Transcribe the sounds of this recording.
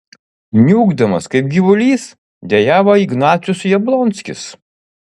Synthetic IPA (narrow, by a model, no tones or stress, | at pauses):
nʲuːɡd̪ɐmɐskɐɪp̚ɡʲiʋʊlʲiːs | d̪ʲɛjæːʋoːɪɡnɑːt̪sʲjʊsjɛblˠɔnʲt̪sʲkʲɪ̰s